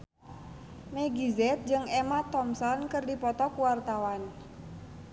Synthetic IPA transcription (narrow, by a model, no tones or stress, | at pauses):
meɡizɛt̪̚d͡ʒɨŋemat̪ɔmsɔnkɨrdipɔt̪ɔkuwart̪awan